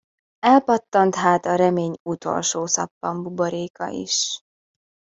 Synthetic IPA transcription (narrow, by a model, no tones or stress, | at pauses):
ɛlpɒt̪ːɒnt̪ɦaːt̪ɒɾɛmeːɲut̪o̞̰lʃoːsɒ̰pːɒmbuboɾeːkɒ̰ʔḭʃ